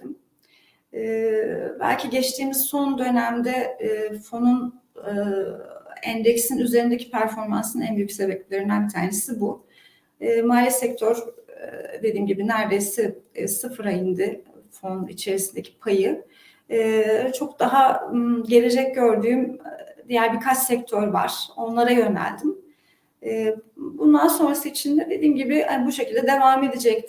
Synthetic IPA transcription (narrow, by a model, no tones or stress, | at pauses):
m | bæ̰lʲcʰiɟɛt͡ʃt̪ʰiːmiz̥so̞nd̪ø̞næmd̪ɛfo̞nun | ænd̪ɛcsinyze̞ɾind̪ecʰipʰæɾfo̞ɾmansɯnænbyjy̥kcʲse̞bɛp̚lʲlʲe̞ɾinænbit̪ʰaːne̞sibu | maːlʲisɛct̪ʰøɾ | d̪e̞d̪iːmɟibinæɾdejsisɯfɯɾajind̪ɪfo̞nḭt͡ʃʰe̞ɾisind̪e̞cʰi̥pʰajɯ | t͡ʃʰo̞kd̪aɦaɟelʲe̞d͡ʒɛc̚ɟø̞ɾd̪yːmd̪ijæɾbikʰat͡ʃsɛc̚t̪ʰøɾva̰ɾ̥o̞nlˠaɾajø̞næ̰lʲd̪imː | bund̪anso̞nɾasɯit͡ʃʰind̪ɛd̪e̞d̪iːmɟibɪanbuʃecʰilʲd̪ɛd̪e̞vaːme̞d̪id͡ʒɛc̚t̪